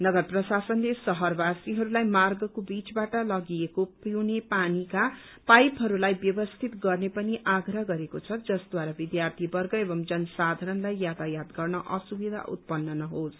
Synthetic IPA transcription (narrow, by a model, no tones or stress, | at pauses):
nʌɡʌrprʌsasʌnlesʌɦʌrbasiɦʌɾulajmarɡʌkobit͡sbaʈʌlʌɡiekopiwnepanika | pajpɦʌɾulajbjʌbʌst̪ʰit̪ɡʌrnepʌniʔaɡrʌɦɡʌɾekot͡sʰʌd͡zʌsd̪waɾabid̪jart̪ʰibʌrɡʌebʌmd͡zʌnʌsad̪ʱaɾʌnlajːat̪ajad̪ɡʌrnʌʔʌsubid̪ʱa̰ʔṵt̪̚pʌnːʌnʌɦos